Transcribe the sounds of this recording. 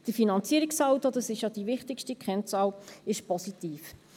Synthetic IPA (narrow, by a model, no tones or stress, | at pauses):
d̥əfinɑnt͡siəɾɪksɑwtod̥̪ɑsɪʃjɑd̥̪iʋɪχt̪ɪkʃtikχɛnt͡sɑːwɪʃpɔsitiːf